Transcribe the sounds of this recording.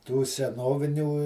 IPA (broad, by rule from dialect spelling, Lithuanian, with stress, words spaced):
tuː sʲɛˈnoːʋʲɪnʲuː